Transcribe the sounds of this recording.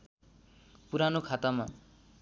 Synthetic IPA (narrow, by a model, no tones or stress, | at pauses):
puɾanokʰat̪ama